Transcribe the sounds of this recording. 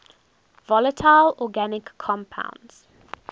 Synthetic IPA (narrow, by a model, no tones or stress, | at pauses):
vɔlətʰaɪlɔɡanɪkʰːɔ̃mpʰã̰ʊ̃ndz̥